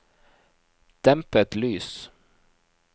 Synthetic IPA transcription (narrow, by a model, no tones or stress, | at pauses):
d̪̥ɛmpət̪lyːs